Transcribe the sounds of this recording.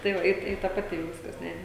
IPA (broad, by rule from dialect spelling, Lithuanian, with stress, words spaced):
tɐɪ ˈʋɐ ˈɪ ˈɪ tɐ pɐˈtʲɪ ˈjɛʊ ˈʋʲɪskɐs ˈnʲɛ